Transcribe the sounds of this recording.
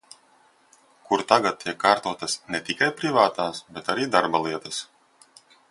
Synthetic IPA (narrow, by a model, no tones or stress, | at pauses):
kuɾt̪aɡat̪̚t̪ʰʲːiɛkːaːɾt̪uɔt̪ɐsnʲɛt̪ikajpɾivaːt̪aːsbɛt̪aɾiːd̪aɾbalˠiɛt̪ɐs